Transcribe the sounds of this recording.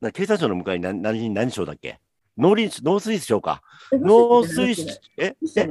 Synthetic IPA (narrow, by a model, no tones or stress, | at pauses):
nãkake̞ːs̬ãɰɕoːnomɯ̟kaiɲ̟ianaɲiiɲinãɲ̟dɕo̞ːd̪a̰kːḛ | no̞ːɾʲiɕno̞ːsɨɾisɕo̞ːka̰ | noːsɨis | ee